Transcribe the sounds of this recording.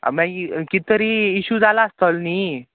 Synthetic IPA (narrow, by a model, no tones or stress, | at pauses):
mãkit̪əɾiːɕud͡zalaːst̪əlni